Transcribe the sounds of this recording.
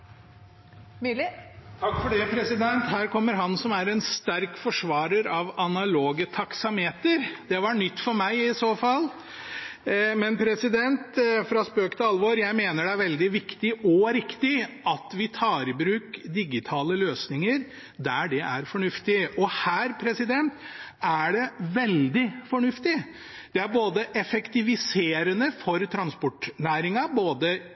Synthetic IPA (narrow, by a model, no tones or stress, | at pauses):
t̪ʰɑkːfɔɖɛpʰɾɛsɪd̪ɛnt̪hæːɾkʰɔmːəɾɦɑnsɔmæɾɛnst̪æɾkfɔʂʋɑːɾəɾɑʋɑnɑloːɡət̪ʰɑksɑmheːt̪əɾd̪̥ɛʋɑɳʏt̪ːfɔɾmæɪɪsoːfɑlː | mɛnpʰɾɛsɪd̪ɛnt̪fɾɑspøːkt̪ʰəɑlʋoːɾjæɪmeːnəɖɛæɾʋɛld̪ɪʋɪkt̪ɪɔɾɪkt̪ɪʔɑt̪ʋɪt̪ʰɑːɾɪbɾʉːkd̪ɪɡɪt̪ʰɑːləløːsnɪŋəɾ | d̪æɖɛʔæɾfɔɳʉft̪ɪɔhæːɾpʰɾɛsɪd̪ɛnt̪ | æɖɛʋɛld̪ɪfɔɳʉft̪ɪ | d̪̥ɛæɾboːd̪əʔɛfɛkt̪ɪʋɪseːɾənəfɔɾt̪ʰɾɑnspɔʈnæːɾɪŋɑboːd̪ə